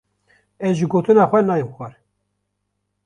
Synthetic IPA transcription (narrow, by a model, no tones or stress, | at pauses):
ɛzʒɨɡoːt̪ʰɨnɑːxʷɛnɑːjəmxʷɛɾ